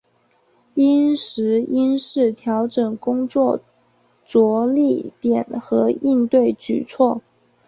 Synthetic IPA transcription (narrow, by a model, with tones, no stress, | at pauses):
i˥nʂɻ̩˧˥i˥nʂɻ̩˥˩t̪ʰjɑ˧˥ʊʈ͡ʂɤ˨˩ŋkʊ˥ŋt͡swɔ˥˩ | t͡swɔ˧˥li˥˩t̪jɛ˨˩nxɤ˧˥i˥˧nt̪we˥˩ɪt͡ɕy̰˨˩t͡sʰwɔ˥˩